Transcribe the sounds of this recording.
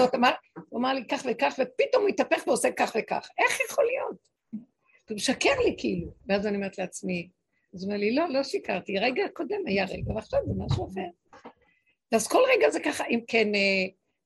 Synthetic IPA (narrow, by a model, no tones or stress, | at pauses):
ot̪amaʁuamaʁlikaχvekaχvepito̞mitapeχveosekːaχveka̰χʔe̞χjaχolijo̞t | vimeʃakeʁlikʰiiluveazanimetleat͡smi | azomeʁlilo̞lo̞ʃikaʁt̪iʁeɡako̞demajaʁeɡaveaχʃavzemaʃuafeʁ | veazko̞lʁeɡazekaχaʔimkʰene